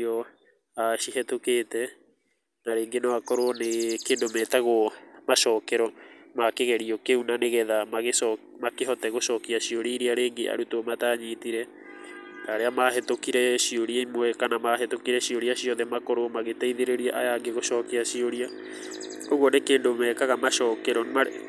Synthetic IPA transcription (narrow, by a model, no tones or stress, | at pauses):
ɔ | aʃiɦɛtokeːtɛ | naɾeːŋɡenoakɔɾonekeːndomɛːtaɣomaʃɔːkɛɾɔmakeɣɛɾiɔkeunaneɣɛðamaɣeɔmakeɦɔtɛɣoʃɔːkiaʃioɾiːɾiaɾeːŋɡeʔa̰ɾutomataɲitiɾɛ | taːɾeamaɦetokiɾɛʃioɾieimoɛkanamaɦetokiɾɛɕioɾiaɕiɔðɛmakɔɾomaɣetɛiðeɾeɾiaʔajaŋɡeɣoʃɔːkiaʃioɾia | oɣuɔnekeːndomɛːkaɣamaʃɔːkɛɾɔma